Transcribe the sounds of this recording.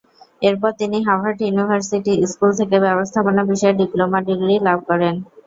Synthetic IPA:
eɾpɔɾt̪iniɦawʱaɾʈjunibʱaɾsiʈiskult̪ʰekebɛbost̪ʰaponabiʃɔeɾɖiplomaʈiɡɾilab̚ʱkɔɾen

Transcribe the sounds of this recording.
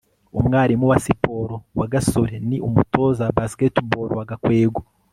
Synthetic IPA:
umŋaːɾimuwasipo̞ːɾowaɡasoɾeniʔumuto̞ːzabasketboːɾowaɡakweːɡo

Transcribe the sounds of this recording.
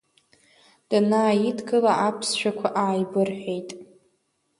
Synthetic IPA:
d̥ɨnaːjidɡɨlaʔapʰsʃᶣakʷʰaʔaːjbɨrħʷᶣe̞jtʼ

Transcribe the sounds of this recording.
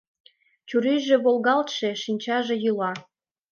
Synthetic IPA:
t͡ɕuɾiʒĕβolɣɑlt̪ʃeʃinʲt͡ɕɑʒĕjylɑ

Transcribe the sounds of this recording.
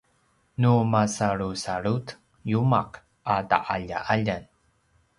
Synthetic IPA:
numasaɭusaɭut̪ | jumaq | ada̰ʔaʎa̰ʔaʎan

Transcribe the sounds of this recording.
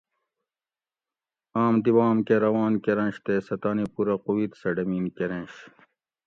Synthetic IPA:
aːmd̪iwaːmkeɾɐwaːnkeɾɐ̃nɕt̪esɐt̪aːnipuɾɐquwit̪sɐɖɐmiːnkeɾẽnɕ

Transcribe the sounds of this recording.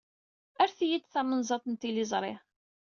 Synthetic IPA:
æɾθjid̪θæmənzˤɑt̪ˤnt̪ːilizˤɾˤɪ̰ħ

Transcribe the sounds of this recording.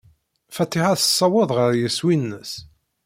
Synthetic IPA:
fæt̪ːiħaθə̥sˤːɑwəðˤʁəɾjəswinːəs

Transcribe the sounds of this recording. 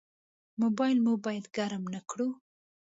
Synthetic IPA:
mobɑjlmubɑjad̪ɡaɾmnakɽu

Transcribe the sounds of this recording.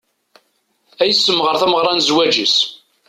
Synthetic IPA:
æjəsːəmʁəɾθæməʁɾˤɑnzwæd͡ʒis

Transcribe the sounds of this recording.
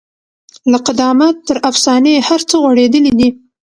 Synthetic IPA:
laqɪd̪ɑmat̪ːəɾafsɑnehaɾt͡səɣwaɽed̪əlid̪i

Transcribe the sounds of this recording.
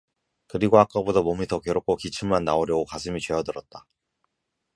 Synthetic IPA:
kɯɾiɡoak͈abodʌmomitʰʌkeɾok͈ʰokit͡ɕʰɯmmanːaoɾjʌɡokasʰɯmit͡ɕweɦʌdɯɾʌt̚t͈a

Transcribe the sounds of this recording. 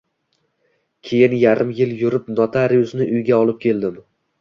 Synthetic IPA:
kʲʰe̞jɪnjaɾɪmjɪljʊɾɪpnɒt̪ʰaɾijʊsnɪʔʊjɡʲaɒlˠɪp̚kʲʰe̞lˠd̪ɪm

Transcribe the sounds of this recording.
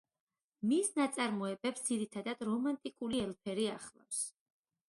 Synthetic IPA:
misnat̪sʼaɾmɔɛbɛpsd̪ziɾit̪ʰad̪ad̪ɾɔmant̪ʼikʼuliɛlpʰɛɾiaχlˠa̰fs

